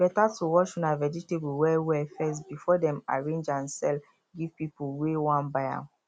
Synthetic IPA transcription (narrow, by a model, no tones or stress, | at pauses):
b̥ɛtatuwɔʃũnavɛd͡ʒitebuwɛwɛfɛsbifɔdɛ̃ma̰ɹẽnd͡ʒãnsɛl | ɡivpipuwewãnbajã̰